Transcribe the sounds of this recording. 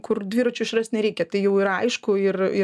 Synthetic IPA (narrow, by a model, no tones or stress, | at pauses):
kʊrd̪ʲʋʲiːɾɐt͡ʃʲʊɪʃrɐsʲt̪ʲnʲɛɾʲɛɪkʲɛt̪ɐɪjɛʊiɾɐɐɪʃkʊɪrɪ